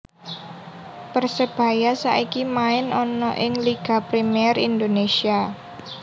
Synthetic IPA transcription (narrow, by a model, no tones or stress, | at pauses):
pərsəb̥a̤jasaʔikimaɪnɔnɔ̰ʔɪŋliɡ̥a̤pɾimiɛrind̪onesia